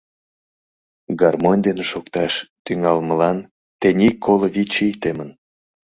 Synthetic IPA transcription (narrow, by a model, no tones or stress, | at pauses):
ɡɑrmonʲd̪eneʃokt̪ɑʃt̪yŋɑlməlɑn | t̪enʲikʰːoloβʲit͡ɕijt̪emən